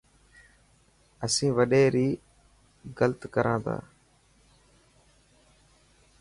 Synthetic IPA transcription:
əsĩːʋəɗeːɾiː | ɡəlt̪kəɾʔãːd̪a̰ː

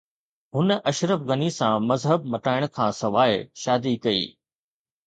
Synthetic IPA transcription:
ɦʊnə̆ʔɐʃɾəfɣɐnisãmɐzɦəb̚mɐʈaːɪɽ̃kʰãːsɐʋaːɪʃaːd̪ikɐḭː

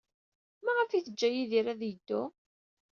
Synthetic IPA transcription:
mæʁəfiθəd͡ʒːæjiðiɾæðjəd̪ːʊ

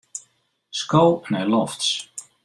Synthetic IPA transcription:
skownɛjlɔfts

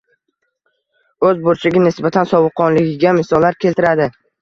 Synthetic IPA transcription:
ɵzbʊɾt͡ʃʰɪɡʲɪnɪsbat̪ʰansɒbɨqʰːɒnlɪɡʲɪɡʲamɪsɒlˠːaɾkʲʰe̞lt̪ɪɾad̪ɪ

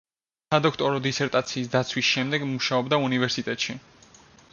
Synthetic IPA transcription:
sad̪ɔkʰt̪ʼɔɾɔd̪isɛɾt̪ʼat̪sʰiːsd̪at̪sʰwisʃɛmd̪ɛɡmuʃaɔbd̪aunivɛɾsit̪ʼɛt̪ʼʃi

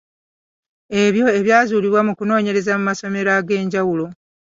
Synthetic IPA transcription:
e̞βjo̞e̞βjaːzuːliβwamukuno̞ːɲe̞ɾe̞zamumaso̞me̞ɾaɡe̞ːɲɟawulo

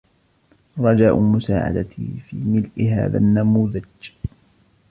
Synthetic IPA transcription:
ɾˤɑd͡ʒaːʔʊmʊsaːʕa̰d̪at̪ifiːmɪlʔɪɦa̰ːða̰nːamuːðad͡ʒ

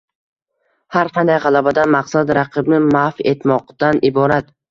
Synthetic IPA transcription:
haɾqʰɑnd̪ajʁɑlˠabad̪anmaqsad̪ɾɑqʰɨbnɪmafe̞t̪mɒqt̪anʔɪbɒɾat̪

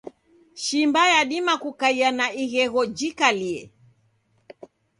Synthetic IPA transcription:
ʃimbajaɗimakukaianaiɣɛɣɔd͡ʒikaliɛ̰

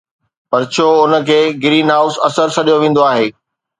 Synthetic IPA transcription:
pɐɾt͡ɕʰoːʊnə̆kʰeːɡɪɾiːnɦaːʊsɐsəɾsʰɐɗijoʋẽːn̆d̪oaːɦeː

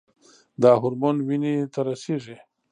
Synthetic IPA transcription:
d̪aːɦʊɾmonwinit̪aɾasiʐi

